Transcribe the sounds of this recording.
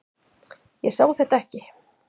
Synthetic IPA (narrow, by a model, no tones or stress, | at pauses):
jɛsaːwθɛht̪aɛhcɪ